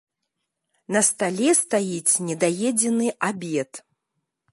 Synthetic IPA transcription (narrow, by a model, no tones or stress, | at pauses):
nɐst̪alʲɛst̪ajit͡sʲnʲɛd̪ajɛd͡zʲɛnɨʔabʲɛt̪